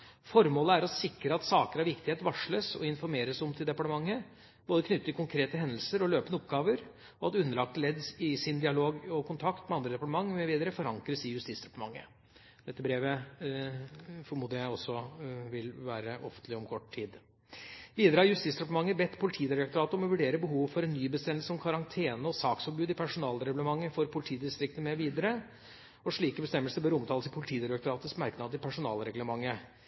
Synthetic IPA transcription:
fɔɾmoːləæɾɔsɪkɾəɑt̪sɑːkəɾɑʋɪkt̪ɪheːt̪ʋɑʂɭəsɔ̰ɪnfɔɾmeːɾəsɔmt̪ʰɪld̪ɛpɑʈəmɑŋːə | boːd̪əkʰnʏt̪ːt̪ːɪkʰʊŋkʰɾeːt̪əɦɛnd̪əl̩səɾɔløːpənəɔpɡɑːʋəɾ | ɔɑt̪ʉnːəɭɑk̚t̪əlɛd̪sɪsɪnd̪ɪɑloːɡɔkʰʊnt̪ʰɑkt̪mɛɑnd̪ɾəd̪ɛpɑʈəmɑŋːmɛʋiːd̪əɾəfɔɾɑŋkɾəsɪjʉst̪iːsd̪ɛpɑ̥ʈəmɑ̰ŋːə̰ | d̪̥ɛt̪ːəbɾeːʋə | fɔɾmuːd̪əjæɪɔsːɔʋɪlʋæːɾəʔɔfənt̪ʰlɪɔmkʰɔʈːt̪ʰiːd̪ | ʋiːd̪əɾəhɑɾjʉst̪iːsɾɛplmɑŋːəbɛt̪ːpʰʊlɪt̪ʰiːd̪ɪɾɑkt̪ʊɾɑːt̪əɾɔmɔʋʉɖeːɾəbəɦuːʋfɔɾɛnːyːbəst̪ɛmːəlsəɔmkʰɑɾɑŋt̪ʰeːnəɔsɑːksɔbʉːd̪ɪpʰæʂʊnɑːlɾɛɡʉləmɑŋːəfɔɾpʰʊlɪt̪ʰiːd̪ɪst̪ɾɪk̚t̪əmɛʋiːd̪əɾə | ɔʂɭiːkəbəst̪ɛmːəlsəbøːɾɔmt̪ʰɑːləsɪpʰʊlɪt̪ʰiːd̪ɪɾɛk̚t̪ʊɾɑːt̪əsmæɾknɑːd̪əɪpʰæʂʊnɑ̰ːlɾɛɡləmɑŋːə

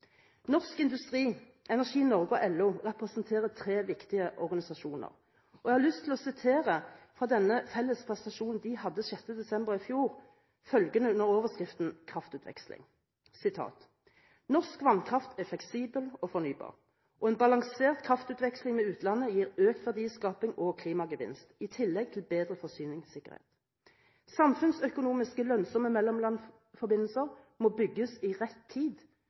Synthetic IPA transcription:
nɔʁskɪnd̪ʉst̪ʁiː | ɛnæʁʂiːnɔʁɡəɔʔɛlːuːʁɛpʁɛsn̩t̪ʰeːʁət̪ʰʁeːʋɪkt̪ɪəʔɔʁɡɑnɪsɑʃuːnə̰ʁ | ʔɔɛɡhɑʁlʏst̪ʰːɪlɔsɪt̪ʰeːʁəfʁɑd̪ɛnːəfɛlːəspʰʁɛst̪ɑʃuːnn̩d̪ɪhɑd̪ːəʃɛt̪ːəd̪ɛsɛmbəʁɪfjuːʁ | fœlɡənəʉnəɾoːʋəskʁɪft̪n̩kʰʁɑft̪ʉːt̪ʰʋɛ̰kslɪ̰ŋ | sɪt̪ʰɑ̰ːt̪ | nɔʁskʋɑnkʰʁɑft̪ʰɛflɛksiːbəlɔfɔʁnyːbɑ̰ːʁ | ʔɔɛːnbɑlɑŋseːʁt̪kʰʁɑft̪ʉːt̪ʋɛkslɪŋmɛʉːt̪ʰlɑnəjiːʁøːkt̪ʋæʁd̪iːskɑːpɪŋɔkʰliːmɑɡəʋɪ̰nst̪ɪt̪ʰɪlːɛɡ̚t̪ʰɪlbeːd̪ʁəfɔsyːnɪŋsɪkə̰ʁhḛːt̪ | sɑmfʉnsœkʊnuːmɪskəlœnsɔməmɛlːɔmlɑn | fɔbɪnːl̩səʁ | mɔːbʏɡːəsɪʁɛt̪ʰːiːd̪

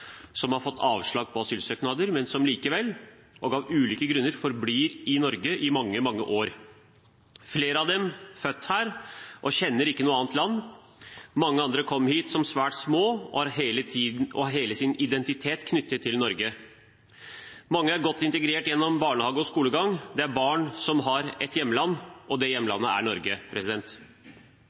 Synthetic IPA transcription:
sɔmhɑɾfɔt̪ːɑːʋʂɭɑːɡ̚pʰɔɑsyːlsœːknɑːd̪əɾmɛnsɔmliːkəʋɛlː | ʔɔɡɑʋʉːliːkəɡɾʉnːəɾfɔɾbliːɾɪnɔɾɡəʔɪmɑŋːəmɑŋːə̰ʔoːɾ | fleːɾəɑʋd̪ɛmfœt̪ːhæːɾʔɔɕɛnːəɾɪkːənuːəɑːnt̪lɑnː | mɑŋːəɑnd̪ɾəkʰɔmːhiːt̪sɔmsʋæːʈsmoːɔ̰ɑɾɦeːləiːɔ̰ɦeːləsɪnɪd̪ɛnt̪ɪt̪ʰeːt̪kʰnʏt̪ːət̪ʰːɪlnɔɾɡə | mɑŋːəæɾɡɔt̪ːɪnt̪əɡɾeːʈjɛnːɔmbɑːɳəhɑːɡəɔskuːləɡɑŋd̪ɛæɾbɑːɳsɔmɦɑɾɛt̪jɛmːəlɑnːʔɔd̪ɛjɛmːəlɑ̰nːəæ̰ɳɔɾɡəpʰɾɛsɪd̪ɛnt̪

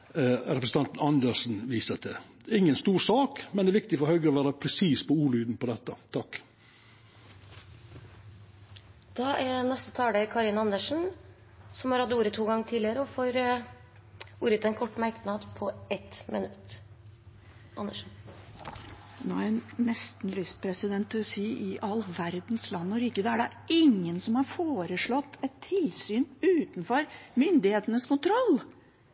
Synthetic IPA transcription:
ɾɛpɾəsn̩t̪ɑnt̪n̩ɑnd̪əʂn̩ʋiːsət̪ɛ | ɪŋːənst̪uːɾsɑːkmɛnɛːʋɪk̚t̪ɪfɔɾhœʏɡəɾɔʋæːɾəpʰɾɛsiːspɔuːɭyːd̪npɔd̪ɛt̪ːət̪ʰɑkː | d̪̥ɑːʔɛɾnɛst̪ət̪ʰɑːɖekʰɑɾɪnɑnəʂn̩ | sɔmhɑɾhɑd̪uːɾət̪ʰuːɡɑŋːət̪ʰiːd̪ɪəɾəɔfɔɾ | uːɾət̪ɛnkʰɔʈːmæɾknɑd̪pʰɔɛt̪mɪ̰nʉt̪ː | ʔɑ̰nːəʂn̩ | noːæɾɛnːɛst̪n̩lyspʰɾɛsɪd̪ɛnt̪̚d̪ɪlɔsiːʔɪʔɑlːʋæɾd̪nslɑnːɔɾɪkːəd̪əæɖɛ | ɪŋːənsɔmhɑɾfoːɾəʂɭɔt̪ːɛt̪ʰːɪlsyːnʉːt̪n̩fɔɾmʏnd̪ɪheːt̪ənəskʊnt̪ʰɾɔlː

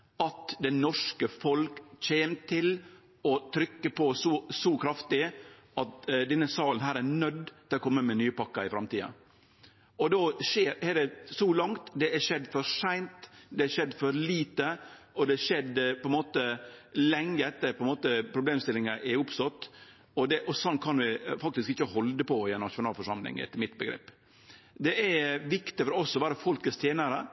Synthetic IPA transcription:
ɑt̪d̪ɛnɔʂkəfɔlkc͡çeːmt̪ʰɪl | ɔt̪ʰɾʏkːəpʰɔsɔsɔkʰɾɑft̪ɪ | ɑt̪d̪ɛnːəsɑːlən̩ɦæːɾænœd̪t̪ʰɪlɔkʰɔmːəmɛnyːpɑkːɑɪfɾɑmt̪iːɑ̰ | ɔd̪oːʃeːɾɛɖɛsɔlɑŋt̪d̪ɛæʂɛd̪ːfɔɾʂæɪnt̪d̪ɛæʂɛd̪ːfɔɾliːt̪ə | ɔd̪ɛɛʂɛd̪pɔɛnmoːt̪əlɛŋːəɛt̪ːəɾpʰɔɛnmoːt̪əɾpʰɾʊbleːmst̪ɪlɪŋəʔɛʊpsɔt̪ː | ɔd̪ɛʔɔsɔnkʰɑnʋɪfɑk̚t̪ɪskɪçəhɔld̪əpʰɔɪɛnɑʂʊnɑːlfɔʂɑmlɪ̰ŋɛ̰t̪ːəmɪt̪bəɡɾɛ̰ːpː | d̪ɛʔæɾʋɪkt̪ɪfɔɾɔɔsɔʋæːɾəfɔlkəst̪ʰjeːnəɾə

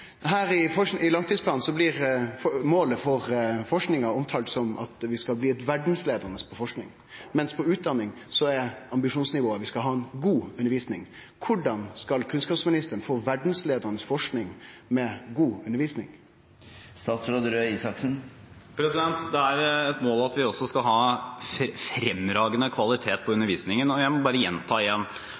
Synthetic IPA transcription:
ɦæːɾɪfɔɪlɑŋt̪ʰiːspʰlɑːn̩sɔblɪɾfɔmoːləfɔɾfɔʂknɪŋɑɔmt̪ʰɑːlt̪sɔmɑ̰t̪ʋɪskɑlbliːɛt̪ʋæɖn̩sleːd̪əɾnəspʰɔfɔʂknɪ̰ŋ | mɛnspʰɔʉːt̪̚d̪ɑnːɪŋ | sɔɛɑmbɪʂuːnsnɪʋoːəʋɪskɑlɦɑːɛnɡuːʉnːəʋiːsnɪ̰ŋ | kʰʊɖɑnskɑlkʰʉnskɑːpsmɪnɪst̪əəɳ̩foːʋæɖɳ̩sleːd̪ənəsfɔʂknɪŋmɛɡuːʉnəɾʋiːsnɪ̰ŋ | st̪ɑːt̪sɾoːd̪əɾøːiːsɑksn̩pʰɾɛsɪd̪ɛnt̪d̪ɛæɾɛt̪moːlɑt̪ʋɪɔsːɔskɑlɦɑː | fɾɛmɾɑːɡənəkʰʋɑlɪt̪ʰeːt̪̚pʰɔʉnəɾʋiːsnɪŋənɔjæɪmɔbɑːɾəjɛnt̪ʰɑːɪjɛnː

